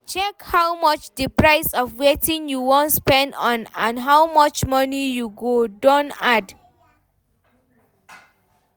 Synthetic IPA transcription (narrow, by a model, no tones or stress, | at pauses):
t͡ʃɛkhawmʌt͡ʃdipɹaɪsɔfwetĩŋjuwɔ̃ntspɛ̃ndɔ̃nãnɦawmʌt͡ʃmɔnijuɡodõntad